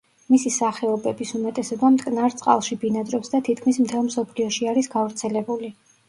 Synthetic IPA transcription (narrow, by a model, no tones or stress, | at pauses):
misisaχɛɔbɛbisumɛt̪ʼɛsɔbamt̪ʼkʼnaɾt̪sʼqʼa̰lˠʃibinad̪ɾɔpsd̪at̪ʰit̪̚kʰmismt̪ʰɛlˠmsɔpʰliɔʃiaɾisɡavɾt̪sʰɛlɛbuli